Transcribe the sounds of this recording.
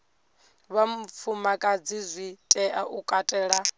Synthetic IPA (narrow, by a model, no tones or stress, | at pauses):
βam̩fʰumakʼad͡zizʷitʼɛʔaʔukʼatʼɛːɺa